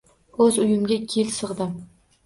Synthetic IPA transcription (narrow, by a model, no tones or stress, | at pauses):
ɵzʊjɪmɡʲakʲʰelsɨʁd̪ɪ